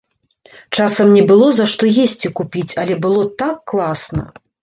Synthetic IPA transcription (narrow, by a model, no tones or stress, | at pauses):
t͡ʂasɐmnʲɛbɨlˠɔzaʂt̪ɔjesʲt͡sʲikupʲit͡sʲɐlʲɛbɨlˠɔt̪akːlˠasnɐ̰